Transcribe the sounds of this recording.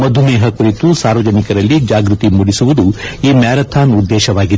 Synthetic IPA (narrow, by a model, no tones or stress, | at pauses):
mɐd̪ʱumɛːɦɐkuɾit̪usaːɾʋɐd͡ʒɐnikɐɾɐlːid͡ʒaːɡɾut̪imuɽisuʋud̪uiːmjaːɾɐt̪ʰaːnud̪ːɛːʃɐʋaːɡid̪